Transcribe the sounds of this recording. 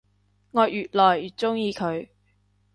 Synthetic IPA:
ŋɔː˨˧jjyː˨t̚lɔː˨jyː˨˩t͡sʊ˥ŋjiː˧kʰɵ˨˧ɥ

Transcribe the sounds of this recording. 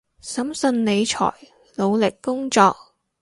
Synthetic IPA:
sɐ˨˥msɵ˧nle˨˧jt͡ʃʰɔ̰ː˨˩j | lo˨˧wlɪ˨kːʊ˥ŋt͡ʃɔː˧k̚

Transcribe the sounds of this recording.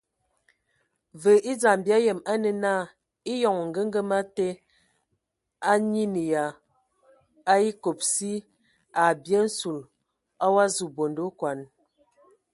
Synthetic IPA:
və˨ʔi˦d͡za˨mbja˦jə˨ma˦nə˨na˦˨ | i˦jɔ˨ŋ˨ŋ̩˨ɡə˦ŋ˦ɡə˦ma˦te˦ | a˦ɲi˦ni˨ja˨ | a˦i˦ko˨p̚si˦ | a˨bje˦n̩˦su˨l | a˦wa˦zu˨bo˨ndo˦kwa˨n

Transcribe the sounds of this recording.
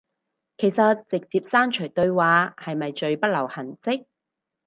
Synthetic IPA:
kʰe˨˩jsɐ˨t̚t͡sɪ˨k̚t͡siː˧p̚saː˥nt͡ʃʰɵ˨˩jt̪ɵ˧ɥwaː˨˧hɐ˨jmɐ˨jt͡ʃɵ˧ɥpɐ˥t̚lɐ˨˩whɐ˨˩nt͡sɪ˥k̚

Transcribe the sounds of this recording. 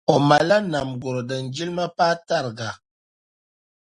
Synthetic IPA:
ɔ˨ma˨la˦na˨mɡo˨ɾɔ˨də˨nd͡ʒi˦lma˦pa˦ta˦˨ɾɡa˨

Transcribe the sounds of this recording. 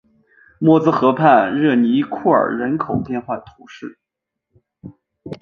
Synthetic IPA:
mwɔ˥˩t͡sɹ̩˥xɤ˧˥pʰa˥˧nɻɤ˥˩ni˧˥kʰu˥˩ə̰˞˨˩ɻə˧˥nkʰo˨˩ʊpjɛ˥˧nxwa˥˩ət̪ʰu˧˥ʂɻ̩˥˩

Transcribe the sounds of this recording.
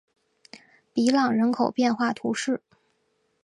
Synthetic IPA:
pi˧˥lɑ˨˩ŋɻə˧˥nkʰo˨˩ʊpjɛ˥˧nxwa˥˩t̪ʰu˧˥ʂɻ̩˥˩

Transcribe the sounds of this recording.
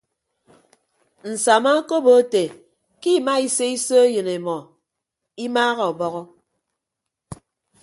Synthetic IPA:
n̩˨sa˨ma˦ko˦bo˨˦te˨ | ki˦˨ma˦i˦se˦i˦so˦jɨ˨ne˨mɔ˨ | i˦maː˦ɣɔ˨bɔ˦ɣɔ˦

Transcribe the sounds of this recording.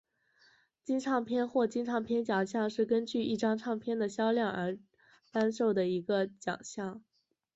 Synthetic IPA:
t͡ɕi˥nʈ͡ʂʰɑ˥˩ŋpʰjɛ˥nxwɔ˥˩t͡ɕi˥nʈ͡ʂʰɑ˥˩ŋpʰjɛ˥nt͡ɕjɑ˨˩ŋɕjɑ˥˧ŋʂɻ̩˥˩kə˥nt͡ɕy˥˧i˥˩ʈ͡ʂɑ˥ŋʈ͡ʂʰɑ˥˧ŋpʰjɛ˥nd̪ə˨ɕjɑ˥ʊljɑ˥˩ŋə˞˧˥ | t̪a˥nʂo˥˩ʊd̪ə˩i˧˥ɡə˧t͡ɕjɑ̰˨˩ŋɕjɑ˥˩ŋ

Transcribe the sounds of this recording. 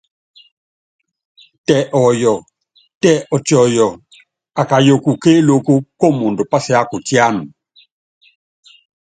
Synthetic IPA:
tɛ˨ʔɔ˨jɔ˨ | tɛ˦ʔɔ˨t͡ʃɔ˨jɔ˨ | a˨ka˨jo˨ku˨ke˦lo˦˨ku˦kɔ˦mo˨ndo˨pa˦sɛ˦a˦ku˨tja˦n˨

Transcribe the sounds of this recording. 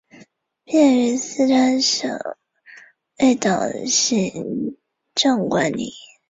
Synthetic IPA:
pjɛ˥˩ny˧˥sɹ̩˥˧ʈ͡ʂʰa˥nʂɤ̰˨˩ŋ | e˥˩ɪt̪ɑ˨˩ŋɕi˥˩ | ʈ͡ʂɤ˥˩ŋkwa˧˥nnḭ˨˩˦

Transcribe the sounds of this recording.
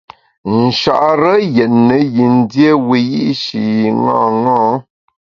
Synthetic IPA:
n̩˨ʃa̰˨ʔɾə˦jɛ˨tnə˨ji˨n̩˦dje˦we˨jḭ˦ʔʃi˨ŋã̰ː˦˨ŋãː˦

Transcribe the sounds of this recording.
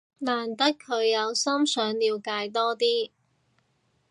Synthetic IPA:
naː˨˩nt̪ɐ˥kʰːɵ˨˧ɥjɐ˨˧wsɐ˥msœː˨˧˥ŋliː˨˧wkaː˧jt̪ɔː˥t̪iː˥

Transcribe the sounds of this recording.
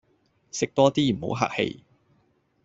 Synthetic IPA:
sɪ˨k̚t̪ɔː˥t̪iː˥m̩˨˩ho̰˨˥wɦa̰ː˧˩k̚hḛ˨˧j

